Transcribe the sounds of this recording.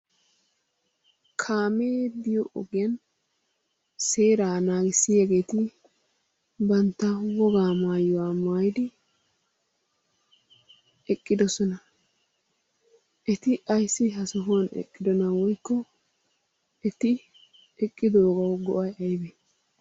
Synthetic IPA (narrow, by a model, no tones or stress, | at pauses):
kʰaːme̞ːd̪ɪjɔʔɔɡɪjɐn | seːɾaːnaːɡɪsːɪjɛɡe̞ːt̪ɪ | bɐnt̪ːɐwɔɡaːmaːjʊwaːmaːjd̪ɪ | ɛkʼːɪd̪ɔsɔnɐ | ʔɛt̪ɪʔɐjsːɪɦɐsɔɦonɛ̰kʼːɪd̪ɔnɐwɔjkːɔ | ɛt̪ɪ | ɛkʼːɪd̪oːɡɐwɡɔʔɐjɐjbe